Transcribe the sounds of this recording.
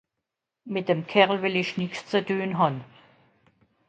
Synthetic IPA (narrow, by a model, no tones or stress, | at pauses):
mɪt̚d̥emkʰɛʁl̩vɪlɪçnɪkst͡sədøːnɦan